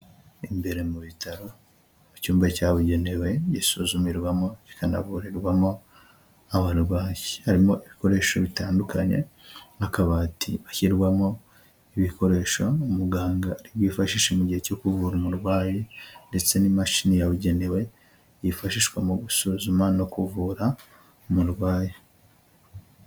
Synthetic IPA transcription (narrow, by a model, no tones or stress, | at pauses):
imbe̞ɾe̞muβitaɾo̞ | cuːmbacaːβuɟe̞newe̞jisuzumiɾɡwamo̞ci̥kana̰βuɾiɾɡwamo̞ | aβaɾwaːjihaɾimo̞ʔiβiko̞ɾe̞ʃo̞βitaːndukaɲe̞̰hakaβaːtʰiβaçiɾɡwamo̞ | iβiko̞ɾe̞ʃo̞umuɡaːŋɡaɾiβwiːfaʃiʃemuɟihe̞co̞kuvuɾumuɾwaːjende̞t͡se̞nimaʃinijaβuɟe̞newe̞ | jifaʃiʃɡwamoɡusuzumano̞kuvuɾa | muɾwaːje